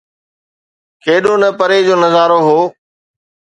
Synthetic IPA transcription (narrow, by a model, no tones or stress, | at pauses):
keːɗoːnəpəɾeːd͡ʑoːnəzaːɾoːɦoː